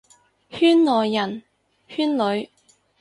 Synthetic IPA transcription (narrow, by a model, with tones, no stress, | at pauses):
hyː˥nlɔː˨˩jːɐ˨˩n | hyː˥nlɵ˨˧ɥ